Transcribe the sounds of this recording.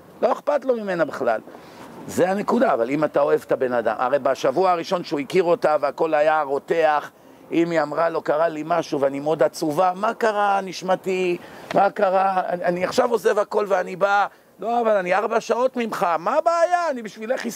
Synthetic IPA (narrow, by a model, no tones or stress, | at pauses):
lo̞eχpat̪lo̞mime̞nabeχla̰l | zeane̞kud̪aːvalimat̪ao̞e̞vt̪abe̞nad̪a̰mʔa̰ʁe̞jbaʃavuaaʁiʃo̞nʃeuikiʁo̞taveako̞lajaʁo̞t̪e̞aχ | imiamʁalo̞kaʁalimaʃuveanimeod̪at͡suvamakaʁaniʃmat̪imakaʁaa̰aniaχʃavo̞zevako̞lveaniba | lo̞avalaniaʁbaʃao̞tmimχamabaːjaːnibiʃvileχi